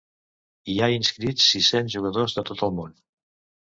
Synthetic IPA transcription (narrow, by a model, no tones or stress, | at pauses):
iainskɾitsːisenzʒuɣ̞əðozðət̪ot̪əlˠmon